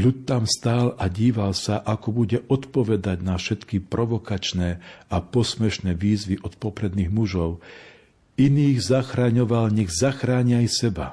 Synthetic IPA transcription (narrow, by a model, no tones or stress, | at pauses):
ʎut̪ːamst̪aːlaɟiːʋalsaʔakɔbuɟɛʔɔt̪pɔʋɛd̪aɟnafʃɛt̪kipɾʔɔʋɔkat͡ʃnɛapɔsmɛʃnɛːʋiːzʋiʔɔt̪pɔpɾɛd̪niːɣmuʒɔʊ | iniːɣzaxɾaːɲɔʋalɲɛɣzaxɾaːɲiajsɛba̰